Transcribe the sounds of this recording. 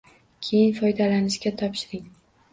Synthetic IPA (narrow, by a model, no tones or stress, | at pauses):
kʲʰe̞jɪnfɒjd̪alanɪʃkʲat̪ʰɒpʃɪɾɪŋ